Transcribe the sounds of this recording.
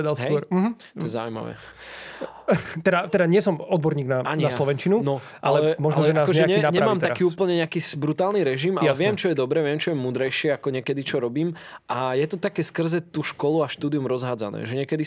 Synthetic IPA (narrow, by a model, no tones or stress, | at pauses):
ɛd̪alsɦɛɔɾm̩ɦ̩t̪ɔjɛza̰ʊima̰ʋɛ̰ː | t̪ɛd̪at̪ɛd̪aɲɪɛsɔmɔd̪bɔɾɲiːɡnaaɲiaslɔʋɛnt͡ʃinunɔ | ʔalɛɛmɔʒanɔɛnakɔʒɛaɲɛnaɲɛmaːmt̪akiːuːpl̩ɲɛɲɛakiːsbɾut̪aːlˠniɾɛʒimajaɛʋɪɛmt͡ʃɔjɛd̪ɔbɾɛːʋɪɛmt͡ʃɔjɛmuːd̪ɾɛjʃɪɛakɔɲɛkɛd̪it͡ʃɔɾɔbiːmʔajɛt̪ɔt̪akɛːskr̩zɛt̪uːʃkɔluaʃt̪uːd̪iumɾɔzɦaːd͡za̰nɛ̰ːʒɛɲɪɛkɛd̪i